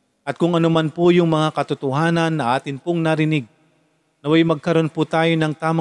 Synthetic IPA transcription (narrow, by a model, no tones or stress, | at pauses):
ʔɐt̪̚kʊŋɐnomɐnpojʊŋmɐŋakɐt̪ʊt̪ʊhaːnɐnːɐʔaːt̪ɪnpoŋnɐɾɪnɪɡ̚ | nɐwajmɐɡ̚kɐɾo̞npʊt̪aːjonɐŋt̪aːmɐ